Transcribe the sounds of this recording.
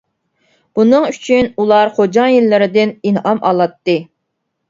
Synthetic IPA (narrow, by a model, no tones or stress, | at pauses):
b̥unɨŋyt͡ʃʰynulˠɑɾχod͡ʒɑjilːɪɾɪd̪ɪninɦɑmɑ̰lˠɑt̪ːɨ